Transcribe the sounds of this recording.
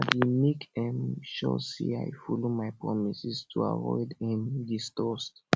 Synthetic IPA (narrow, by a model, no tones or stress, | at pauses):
atjemekɛ̃mʃɔ̰sḛa̰jfɔlomaɪpɹɔmisistʰua̰vɔ̰ɪdɛ̃ndistɔst